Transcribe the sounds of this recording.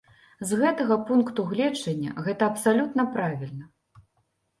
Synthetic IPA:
zɣɛt̪ɐɣɐpunkt̪uɣlʲɛt͡ʂːɐnʲːɐ̰ɣɛt̪ɐɐpsalʲut̪nɐpɾavʲilʲnɐ

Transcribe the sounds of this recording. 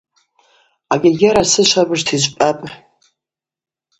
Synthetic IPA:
aɡʲaɡʲaɾasɨʃʷʰabɨʐtʰizʷpʼapʼ

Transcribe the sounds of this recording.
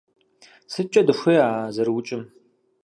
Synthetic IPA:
sɨt͡ʃʼɐdɨʂʷejaːzɐrwʊt͡ʃʼɪm

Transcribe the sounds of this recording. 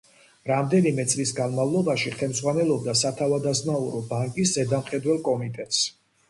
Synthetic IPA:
ɾamd̪ɛnimɛt̪sʼlisɡanmavlˠɔbaʃiχɛlmzʁwanɛlˠɔb̚d̪asat̪ʰavad̪azmauɾɔbaŋkʼiszɛd̪amχɛd̪wɛlˠkʼɔmit̪ʼɛt̪ʼs

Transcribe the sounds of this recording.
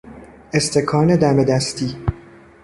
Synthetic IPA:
e̞st̪ʰe̞kʰɒːne̞d̪æme̞d̪æst̪ʰiː

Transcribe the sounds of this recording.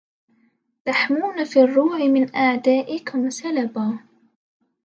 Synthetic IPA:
t̪aħmuːnafiːrˤːuːʕɪmɪnʔaʕd̪aːʔɪkʊmsalabaː

